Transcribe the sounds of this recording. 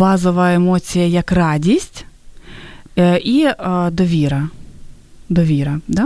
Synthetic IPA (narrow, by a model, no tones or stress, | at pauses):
bɑzɔʋɐemɔt͡sʲijɐjɐkrɑdʲisʲtʲ | ʔid̪ɔʋʲiɾɐ | d̪ɔʋʲiɾɐd̪ɑ